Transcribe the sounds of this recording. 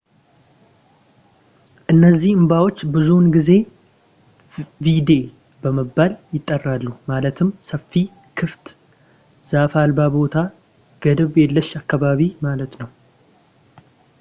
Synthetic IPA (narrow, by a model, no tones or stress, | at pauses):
ʔɨnːəzːihɨmbawo̞t͡ʃːbɨzunɡize̞ | vid̪e̞ | bəməbːaljɪt̪ʼːərːalːuhmalət̪ʰɨmːsəfːi | kʰɨft̪ʼ | z̥afalbabo̞t̪ʰa | ɡ̥əd̪əβelːəʃakːaβaβimalət̪nəw